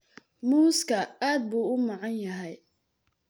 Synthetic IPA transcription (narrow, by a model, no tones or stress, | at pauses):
muːskʰɐaːd̪̚buːʊmɑʕɑnjɐɦɛj